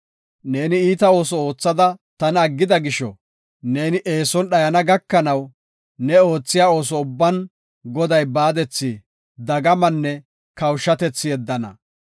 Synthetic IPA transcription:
ne̞ːnɪiːt̪ɐo̞ːsɔo̞ːt͡sːɐd̪ɐt̪ɐnɐɡːɪd̪ɐɡɪʃɔ̰ | ne̞ːnɪʔe̞ːsɔnɗɐjɐnɐɡɐkːɐnɐw | nɛo̞ːt͡sːɪjaːo̞ːs̬ɔʊbːɐn | ɡɔd̪ɐjbaːd̪ɛt͡sːi | d̪ɐɡɐmɐnːɛ | kɐwʃːɐt̪ɛt͡sːɪjɛd̪ːɐnɐ̰

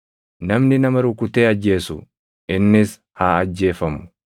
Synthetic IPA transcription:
nɐmnɪnɐmɐɾʊkʊt̪eːɐd͡ʒːe̞ːsʊ̰ | ʔɪnːɪs | haːɐd͡ʒːe̞ːfɐmʊ̥

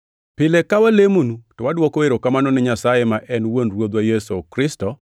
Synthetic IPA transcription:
pɪlekawalemonutɔwadwɔkoeɾokamanɔnɪɲasajemaʔɛnwonɾwod̪wajesokɾɪstɔ

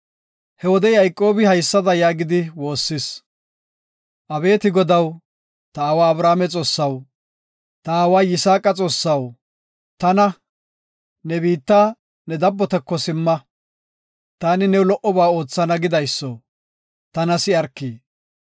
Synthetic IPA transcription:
hɛwɔd̪ɛjɐjkʼːo̞ːbɪhɐjsːɐd̪ɐjaːɡɪd̪ɪwo̞ːsːɪs | ʔɐbe̞ːt̪ɪɡɔd̪ɐw | t̪ɐːwaːbɾaːmɛt͡sʼo̞ːsːɐw | t̪ɐaːwaːjɪsaːkʼɐt͡sʼo̞ːsːɐw | t̪ɐnɐ | nɛbiːt̪ːaː | nɛd̪ɐbːɔt̪ɛkːɔsɪmːɐ | t̪aːnɪnɛwlɔʔɔbaːo̞ːt͡sːɐnɐɡɪd̪ɐjsːɔ | t̪ɐnɐsɪɐɾkːiː

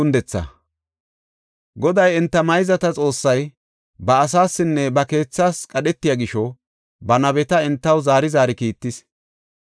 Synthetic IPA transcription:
ʊnd̪ɛt͡sːɐ̰ | ɡɔd̪ɐjɛnt̪ːɐmɐjzɐt̪ɐt͡sʼo̞ːsːɐj | bɐːs̬aːsːɪnːɛbɐke̞ːt͡sːaːskʼɐɗɛt̪ːɪjaɡɪʃɔ | bɐnɐβɛt̪ɐɪnt̪ːɐwzaːɾɪzaːɾɪkiːt̪ːɪs

